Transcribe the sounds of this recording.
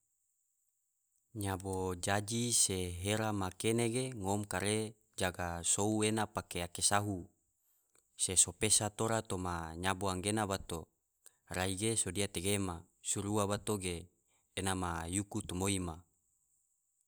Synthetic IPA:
ɲabod͡ʒad͡ʒiseɦeɾamakeneɡeŋomkaɾe | d͡ʒaɡasouenapakeakesaɦu | sesopesat̪oɾat̪omaɲaboaŋɡenabat̪o | raiɡesodiat̪eɡema | suɾuabat̪oɡeː | namajukut̪umoima

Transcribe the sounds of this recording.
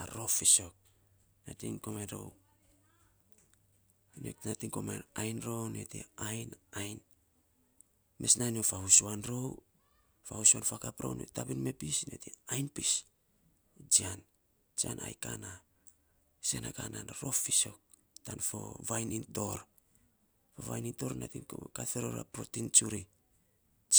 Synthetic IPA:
aɾo̞fiso̞k̚ | natiŋkomanɾo̰w | no̰natiŋkomajajnɾo̞wnetḛajnajn | me̞snaniofahusuanɾow | fahusuanfakapɾo̰wno̰tapinme̞pisne̞̰teajnpis | d͡ʒian | d͡ʒianʔa̰jkana | senakananɾo̞fiso̞ | tanfo̰vajninto̞ɾ | foβa̰jninto̞ɾnatiŋkokateɾo̞ɾa̰pɾo̰tint͡ʃuɾi

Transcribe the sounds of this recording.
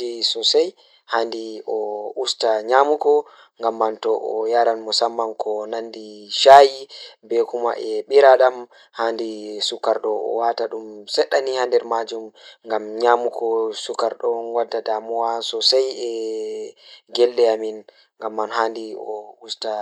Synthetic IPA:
isɔsaj | handiʔɔʔustaɲamukɔ | ŋɡamːantɔʔɔjaɾanmɔsamːankʰɔnandiʃajibɛkuma̰ʔɛɓiɾaɗam | handisukaɾɗɔɔ̰wataɗumsɛɗːanihandɛɾmad͡ʒumŋɡamɲamukʰɔsukaɾɗɔnwadːadamɔwasɔsajɛ | ɡɛlːɛamin | ŋɡamːanhandiɔusta

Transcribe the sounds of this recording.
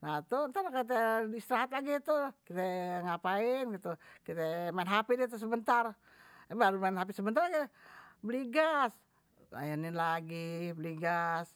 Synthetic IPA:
nat̪unt̪aɾakit̪eist̪ɾaɦat̪laɡit̪ukit̪ɛŋapaɪnɡit̪ukit̪ɛmainɦapidit̪̬us̬əbənt̪ar | baɾumanɦap̬isəbənt̪arɡɛbəliɡas | ka̰janɪnlaɡibliɡas

